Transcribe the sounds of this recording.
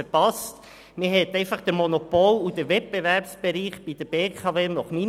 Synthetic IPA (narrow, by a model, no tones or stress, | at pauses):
əɾpɑst | mɪɦɛt̪ɛɪfɑχd̥̪əɾmɔnopolud̪əʋɛt̚b̥evɛɾpsb̥eɾiːχb̥id̥əb̥eːkʰɑveːnɔχmi